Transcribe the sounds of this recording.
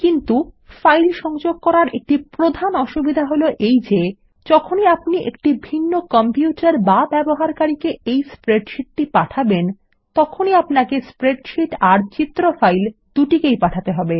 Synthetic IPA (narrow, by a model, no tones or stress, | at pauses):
kint̪ufajlʃɔŋd͡ʑoɡ̚kɔɾaɾek̚ʈipɾod̪ʱanɔʃubid̪ʱaɦoloʔejd͡ʑe | d͡ʑɔkʰoniapniʔḛk̚ʈibʱinːokɔmpiuʈaɾbabɛboɦaɾkaɾikeejspɾeɖʃiʈ̚ʈipaʈʰaben | t̪ɔkʰoniapnakespɾeɖʃiʈaɾt͡ɕit̪ːɾofajld̪uʈikejpaʈʰat̪eɦɔbe